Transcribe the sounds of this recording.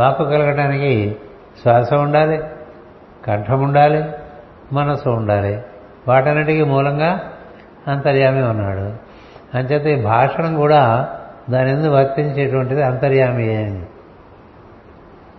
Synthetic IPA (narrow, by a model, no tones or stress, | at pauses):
paːpukɐlɐɡɐʈaːniki | sʋaːsɐmuɳɖaːli | kɐɳʈʰɐmuɳɖaːli | mɐnɐsuːɳɖaːli | ʋaːʈɐnːiʈikimuːlɐŋɡaː | ɐnt̪ɐɾjaːmiunːaːɽu | ɐnt͡ʃɛːt̪eiːbʱaːʂɐɳɐmkuːɽaːd̪aːnend̪uʋʱɐɾt̪iɲt͡ʃeːʈuʋɐɳʈid̪iɐnt̪ɐɾjaːmiɛːjɐndi